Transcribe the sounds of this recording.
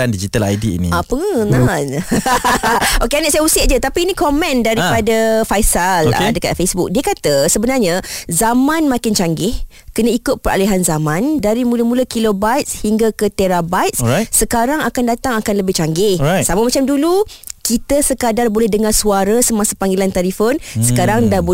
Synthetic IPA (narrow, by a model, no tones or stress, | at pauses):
andid͡ʒit̪ala̰jdḭːnḭapəŋənan | okeaniʔ̚sajausɪʔ̚d͡ʒət̪apiːnĩkomɛ̃ndaɾipadafajsala̰dəka̰t̪̚fesbʊk̚diəkat̪əsəbənarɲazamãnmakɪnt͡ʃaŋɡɪh | kənə̃ikʊt̪̚pəɾʔa̰liɦanzamãndaɾimũləmuləkilobat̪̚shiŋɡakət̪eɾabajt̪̚ssəkaɾaŋakandat̪aŋakanləbɪht͡ʃaŋɡɪhsamamat͡ʃamdulukit̪əsəkadarbolɛhdəŋarsuaɾəsəmãsapaŋɡelant̪aɾifʊnsə̥kaɾaŋdab